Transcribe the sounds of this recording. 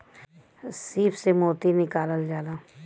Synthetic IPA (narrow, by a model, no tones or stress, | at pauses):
siːfsemoːt̪inɪkaːləld͡ʒaːlaː